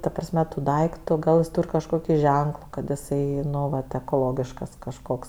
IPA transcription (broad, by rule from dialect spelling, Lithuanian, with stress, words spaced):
tɐ prɐsʲˈmʲɛ tʊ ˈdɐɪktʊ ˈɡɐlˠ jɪs ˈtuːrʲ kɐʃˈkoːkʲɪ ˈʒʲɛŋklˠʊ kɐt ɪˈsɐɪ ˈnʊ ˈʋɐt ɛkoːˈlˠoːɡʲɪʃkɐs kɐʃˈkoːks